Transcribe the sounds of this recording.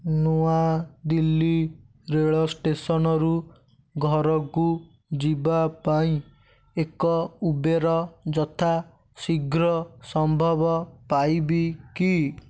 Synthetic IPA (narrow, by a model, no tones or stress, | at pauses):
noad̪ilːi | ɾeɭɔsʈesɔnɔɾu | ɡʱɔɾɔku | d͡ʒibapaĩ | ekɔubeɾɔd͡ʒɔt̪ʰa | siɡɾɔsɔmbʱɔbɔpajbiki